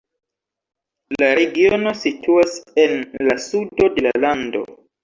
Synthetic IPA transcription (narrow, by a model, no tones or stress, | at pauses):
laɾe̞ɡio̞no̞sitʰuase̞nlasudo̞de̞lalando̞̰